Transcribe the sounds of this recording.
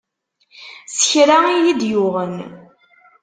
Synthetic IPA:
sə̥çɾaijid̪jʊʁən

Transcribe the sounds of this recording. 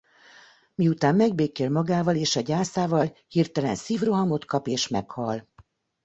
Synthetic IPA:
miut̪aːmːɛɡ̚beːkeːlmɒɡaːvɒleːʃɒɟaːsaːvɒlhirt̪ɛlɛ̰nsiːvro̞ɦɒmo̞t̪kɒpeːʃmɛ̰khɒl

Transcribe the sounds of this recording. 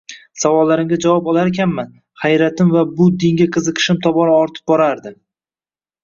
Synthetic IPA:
savɒlːaɾɪmɡʲad͡ʒavɒpɒlaɾekʲanman | χajɾat̪ɪmvabʊd̪ɪŋɡʲaqʰɨzɨqʰɨ̥ʃɪmt̪ʰɒbɒɾaɒɾt̪ʰɪ̥p̚bɒɾaɾd̪ɪ

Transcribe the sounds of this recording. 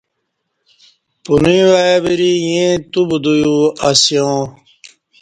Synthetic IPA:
punĩwajabiɾijẽt̪ubud̪ujuasijõː

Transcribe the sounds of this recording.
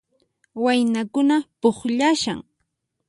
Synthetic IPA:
wajnakʊnapoχʎaʃa̰ŋ

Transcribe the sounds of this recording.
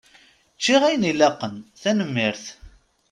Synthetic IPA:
t͡ʃːiʁæjnilæqːənθænəmːɪɾθ

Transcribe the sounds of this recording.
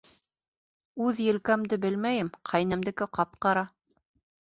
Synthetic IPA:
ʉðjɘ̆lkæmd̪ɘbɘlmæjɘmqʰɑjnæmd̪ɘ̆kɘqɑp̚qɑɾɑ

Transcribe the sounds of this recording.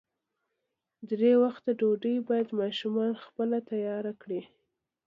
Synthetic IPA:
d̪ɾewaxt̪əɖoɖəjbɑjad̪mɑʃumɑnxpəlat̪ajɑɾakɽi

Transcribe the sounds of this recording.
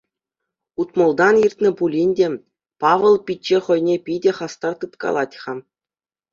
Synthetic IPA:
ut̪mŏlˠd̪ɑnirʲtʲnʲɘ̆pulʲinʲdʲe | pɑʋɤ̆lˠpʲit̚ʲt͡ɕːeχɤ̆jnʲepʲidʲeχɑst̪ɑrt̪ɯt̪kɑ̰lˠɑtʲχɑm

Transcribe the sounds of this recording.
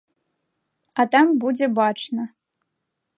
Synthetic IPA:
at̪ambud͡zʲɛbat͡ʂnɐ

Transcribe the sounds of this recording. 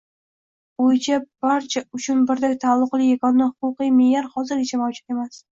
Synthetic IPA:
bojt͡ʃʰab̥aɾt͡ʃʰaʊt͡ʃʰʊnbɪɾd̪at̪ʰalˠːʊqlˠɪjakʰɒnːɪhʊqʊqɨjmɪjaɾhɒzɪɾɪt͡ʃʰamɒwd͡ʒɪt̪e̞mas

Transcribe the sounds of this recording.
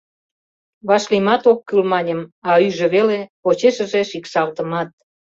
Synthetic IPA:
βɑʃlimɑt̪okːylmɑnʲəmɑyʒĕβelepot͡ɕeʃə̆ʒeʃikʃɑlt̪əmɑt̪̚

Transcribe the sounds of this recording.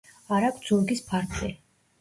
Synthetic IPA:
aɾakʰt̪z̥uɾɡispʰaɾt̪ʰʼi

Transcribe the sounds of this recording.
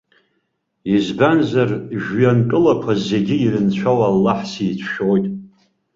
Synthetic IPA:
izbanzarʒjankʼɨlakʷʰaze̞ɡʲɪirɨnt͡ɕʷʰawalːaħsiːt͡ɕʷʰʃojtʼ

